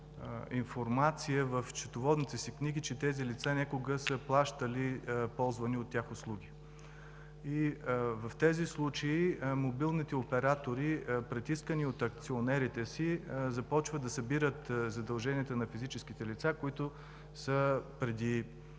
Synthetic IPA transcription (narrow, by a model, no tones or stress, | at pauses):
infoɾmat̪sijəvəft͡ʃɛ̥t̪ovɔd̪nit̪ɛsikniɡit͡ʃɛt̪ɛzilit̪sanʲakʊɡəsəplˠaʃt̪əlipɔlˠzvɐniot̪ːʲjaxoslˠuɡ̟i | ivɐft̪ɛzislˠut͡ʃəimobilˠnit̪ɛopɛɾat̪oɾipɾɛt̪iskəniot̪ɐk̚t̪sionɛɾit̪ɛsizɐpɔt͡ʃvəd̪ɐsɐbiɾət̪zɐd̪ɐlˠʒɛniɛt̪ənɐfizit͡ʃɛskit̪ɛlit̪sakoit̪ʊ | səpɾɛd̪i